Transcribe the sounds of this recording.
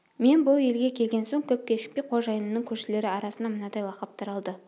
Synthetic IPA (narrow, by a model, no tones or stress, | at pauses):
me̞nbʊlˠe̞lɡʲe̞kʲʰe̞lɡʲe̞nso̞ŋkʲʰɵp̚kʲe̞ʃɪ̥k̚pejqʰo̞ʒɑjənəːəŋkʲʰɵɾʃɪle̞ɾɪɑɾɑsənɑmənɑd̪ɑjlˠɑqɑp̚t̪ʰɑɾɑlˠd̪ə